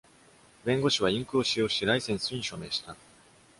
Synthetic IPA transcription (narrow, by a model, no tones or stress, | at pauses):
bẽ̞ŋɡo̞ɕiβaĩŋkɯ̟oɕijo̞ːɕiɾaisẽ̞ɰ̃sɨɲ̟iɕo̞me̞ːɕi̥t̪a